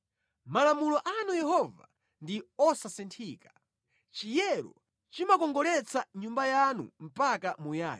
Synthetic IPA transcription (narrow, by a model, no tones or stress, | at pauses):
malamulɔʔanujɛhɔva̰ | ndiɔsasɛntʰiːkḁ | t͡ʃijɛɾɔ̰ | t͡ʃimakɔŋɡɔlɛt͡sʰaɲumbajanṵm̩pakamuja̰ːj